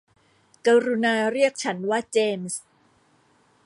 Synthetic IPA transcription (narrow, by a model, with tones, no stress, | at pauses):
ka˧ɾu˧naː˧ɾi˥˩ək̚t͡ɕʰa˦˥nwaː˥˩t͡ɕeː˧ms